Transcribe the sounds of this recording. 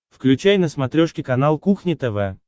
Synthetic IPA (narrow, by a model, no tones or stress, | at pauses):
fklʲʉt͡ɕæjnəsmɐt̪ɾʲoʂkʲɪkɐnalˠkuxnʲɪt̪ɛvɛ